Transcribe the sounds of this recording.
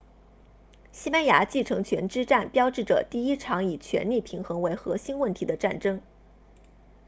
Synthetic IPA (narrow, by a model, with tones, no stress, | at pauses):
ɕi˥pa˥nja̰˧˥t͡ɕi˥˩ʈ͡ʂʰɤ˧˥ŋt͡ɕʰɥɛ˧˥nʈ͡ʂɻ̩˥ʈ͡ʂa˥˩npjɑ˥ʊʈ͡ʂɻ̩˥˩ʈ͡ʂɤ̰˨˩t̪i˥˩i˥ʈ͡ʂʰɑ˧˥ŋi˨˩t͡ɕʰɥɛ̰˧˥nli˥˩pʰi˧˥ŋxɤ˧˥ŋwe˧˥ɪxɤ˧˥ɕi˥nwə˥˩nt̪ʰi˧˥d̪ə˧ʈ͡ʂa˥˩nʈ͡ʂɤ˥ŋ